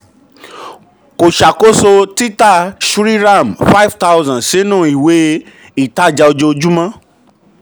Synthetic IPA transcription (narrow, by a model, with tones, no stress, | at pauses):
ko˨ʃa˨ko˦so˧ti˦ta˦˨ʃu˦ɾi˦ɾa˦˨m˨fa˦i˦˨vta˦wzã˨sĩ˨˦nũ˦˨i˨we˨˦ | i˦˨ta˦˨d͡ʒa˧o˧d͡ʒo˧o˧d͡ʒu˦mã˦